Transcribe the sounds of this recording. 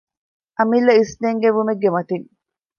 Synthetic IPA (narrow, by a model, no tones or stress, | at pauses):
ʔɐmilːɐisneŋɡeʋumeɡːemɐt̪iŋ